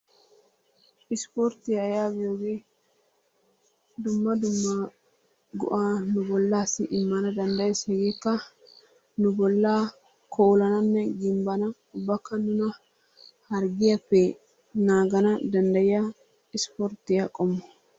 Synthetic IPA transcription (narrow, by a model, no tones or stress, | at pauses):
ɪspoɾt̪ɪjɐjaːɡɪjoːɡeː | d̪ʊmːɐd̪ʊmːa | ɡɔ̰ʔaːnʊbɔlːaːsɪʔɪmːɐnɐd̪ɐnd̪ɐjɛsɛɡekːɐ | nʊbɔlːaː | kʰoːwlɐnɐnːɛɡɪmbɐnɐ | ʊbːɐkːɐnʊnɐ | hɐɾɡɪɐpːeː | naːɡɐnɐd̪ɐnd̪ɐjɐ | ɪspoɾt̪ɪjɐkʼɔmːɔ